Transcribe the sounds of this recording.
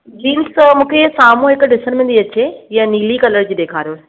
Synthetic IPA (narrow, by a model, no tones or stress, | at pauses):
ɡiːmsmũːkʰesaːmũɦɪkɖɪsənmẽnd̪iɐt͡ɕejaniːlikɐləɾd͡ʑiːɗ̪eːkʰaːɾijo